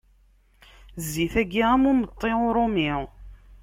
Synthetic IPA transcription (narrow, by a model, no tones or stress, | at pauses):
zːiθæɡiʁæmʊmət̪ˤːeʊɾˤomi